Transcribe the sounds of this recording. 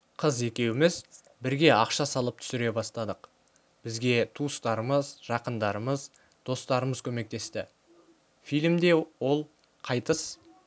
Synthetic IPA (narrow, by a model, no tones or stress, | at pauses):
qʰəze̞kʲe̞wɪmɪz | bɪɾɡʲe̞ɑqʃɑsɑlˠəp̚t̪ʰʏ̥sɪɾe̞bɑst̪ɑd̪əq | b̥ɪzɡʲe̞t̪ʰuəst̪ɑɾəməzʒ̥ɑqənd̪ɑɾəməz | d̪̥o̞st̪ɑɾəməzkʲʰɵme̞k̚t̪e̞st̪ɪ | fijlʲmd̪e̞wo̞lˠ | qʰɑjt̪əs